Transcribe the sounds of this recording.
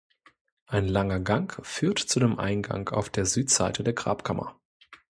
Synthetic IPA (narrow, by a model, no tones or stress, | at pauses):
ʔaɪnlaŋɐɡaŋkfyːɐtt͡sudeːmʔa̰ɪnɡa̰ŋka̰ʊfd̥eːɐzyːtz̥a̰ɪtʰədeːɐɡʁa̰ːpkʰamʔɐ̰